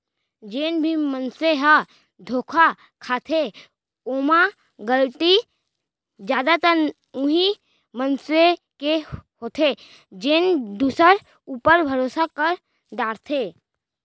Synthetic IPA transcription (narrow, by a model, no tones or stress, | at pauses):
d͡ʒeːnbʱimənseɦa | d̪ʱoːkʰa | kʰaːt̪ʰe | oːma | ɡəlʈ̪i | d͡ʒjaːd̪at̪əɾ | ʊɦi | mənsekeɦoːt̪ʰe | d͡ʒeːnd̪uːsəɾ | uːpəɾbʱəɾoːsakəɾ | d̪aːɾt̪ʰeː